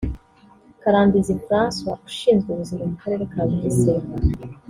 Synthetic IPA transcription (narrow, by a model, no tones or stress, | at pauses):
kaɾaːmbizifɾaːnswau̥ʃiːnzɡeβuzimomukaɾe̞ːɾekaːzidiseːŋɡa